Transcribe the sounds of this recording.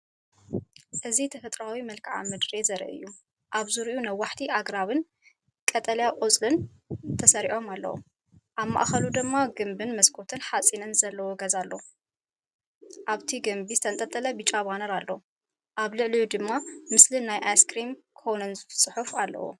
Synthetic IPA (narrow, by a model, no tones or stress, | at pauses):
ʔɨzit̪ʰɐfɐt̪ʼɾawimɐlkʰɨʕa̰mɨd̪ɾezɐɾ̰ʔɨ̰jːu | ʔaβzɨɾʔunɐwːaħt̪ʰiʔaɡɾaβɨn | kʼɐt̪ʼɐljaqʼot͡sʼlɨn | t̪ʰɐsɐɾiʕo̞malːɐ̰wo̰ | ʔaβma̰ʔxɐlud̪ɨmːaɡɨmbɨnmɐskʰo̞t̪ʰɨnħat͡sʼinɨnzɐlːɐwoɡɐzalːo | ʔaβt̪ʰiɡɐmbizɨt̪ʰɐnt̪ʼɐt̪ʼːɐlɐbit͡ʃʼaβanɐɾalːow | ʔaβlɨʕlijud̪ɨmːamɨslɨnːajʔaskɾimkʰonɨnsʼɨħufalːɐ̰wo̰